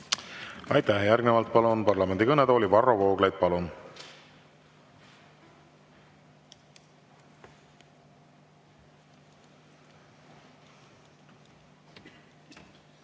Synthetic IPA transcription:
ɑjt̪ˑːæhjærɡnevɑlt̪̚ˑpɑlunpɑrlɑme̞nd̪ikɤned̪oːlʲivɑrːo̞voːɡlejd̪̥̚pɑlun

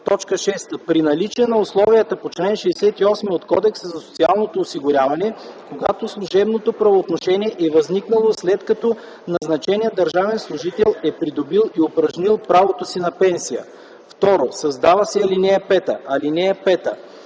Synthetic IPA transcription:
t̪ɔt͡ʃkəʃɛst̪əpɾinɐlit͡ʃɛnɐʊslˠɔvijət̪ɐpot͡ʃlɛnʃɛːsɛt̪iɔsmiot̪kɔd̪ɛksəzɐso̥t̪sialˠnot̪oːsiɡʊɾʲjavɐnɛkoɡa̰t̪oslˠuʒɛbnot̪opɾɐvoːt̪noʃɛniɛʔɛvɐzniknəlˠoslɛt̪kɐt̪ɔ | nɐznɐt͡ʃɛniəd̪ɐɾʒavɛnslˠʊʒit̪ɛlˠɛpɾid̪obilˠiopɾɐʒnilˠpɾavot̪osinɐpɛnsijə̰ | ft̪ɔɾosɐzd̪avɐsɛɐlinɛɛpɛt̪əʔɐlinɛɛpɛt̪ə̰

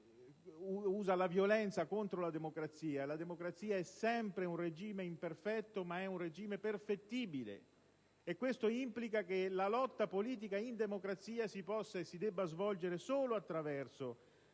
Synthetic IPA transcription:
uuːzalavjolɛnt̪sakont̪ɾolad̪emokɾat̪siːalad̪emokɾat̪siːaɛsɛmpɾeunred͡ʒiːmeimperfɛt̪ːomaɛunred͡ʒiːmeperfet̪ːiːbilḛ | ekːwest̪oimplikakelalɔt̪ːapoliːt̪̬ikaind̪emokɾat̪siːasipɔsːaesːid̪ɛbːazvɔld͡ʒeɾesoːloat̪ːɾavɛrso

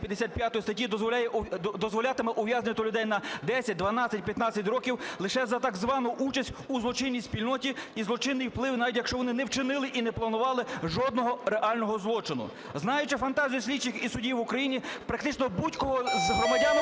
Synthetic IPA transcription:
pʲjɐd̪esʲat̪̚pʲjat̪ɔjist̪ɐtʲid̪ɔzɔlʲjɛd̪ɔzʋɔlʲat̪ɪmɛʔʊʋʲjaznʲɪnʲɔt̪ʊlʲʊd̪ɛjnɐd̪ɛsʲɐt̚ʲd̪ʋɐnɑt͡sʲɐtʲpʲjɐt̪nɑt͡sʲɐtʲɾɔkʲiwlˠɪʃɛzɐt̪ɑɡzʋɑnʊʔut͡ʃɐsʲtʲuzlˠɔt͡ʃɪnʲːisʲpʲilʲnɔtʲiizlˠɔt͡ʃɪnːɪjwplˠɪwnɑʋʲitʲjɐkʃt͡ʃɔʋɔnɪnɛwt͡ʃɪnɪlˠɪʔinɛplˠɐnʊʋɑlˠɪʒɔd̪nɔɦɔɾeʔɑlʲnɔɦɔzlˠɔt͡ʃɪnʊ̰ | znɑjʊt͡ʃɪfɐnt̪ɑzʲijsʲlʲid̪̚t͡ʃɪkisʊdʲiwʋʊkɾɐjinʲipɾɐkt̪ɪt͡ʃnɔbutʲkɔɦɔzɦɾɔmɐdʲan

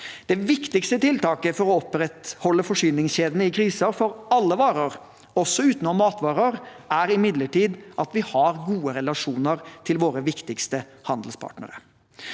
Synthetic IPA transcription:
d̪̥ɛʋɪkt̪ɪkst̪ət̪ɪlt̪ɑːkəfɔɾɔɔpɾɛt̪hɔlːəfɔʂyːnɪŋsɕeːd̪nəɪkʰɾiːsəɾfɔɾɑlːəʋɑːɾəɾ | ɔsːɔʉːt̪nɔmɑːt̪ʋɑːɾəɾæɾɪmɪd̪ləʈiːd̪ʔɑt̪ʋɪhɑɾɡuːəɾɛlɑʂuːnəɾt̪ʰɪlʋoːɾəʋɪkt̪ɪkst̪əhɑnd̪əl̩spʰɑ̰ːʈnə̰ɾə̰ɾ

